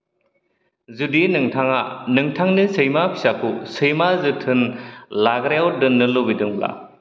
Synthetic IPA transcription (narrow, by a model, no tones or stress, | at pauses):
zudinɯŋtʰaŋanɯŋtʰaŋnɯsɯjmapʰi̥sakʰusɯjmazɯtʰɯnlaɡɾejw̚dɯnːɯlobidɯŋla̰